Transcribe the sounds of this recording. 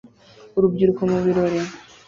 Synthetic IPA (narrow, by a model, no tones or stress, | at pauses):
uɾubɟiɾukomuβiɾoɾe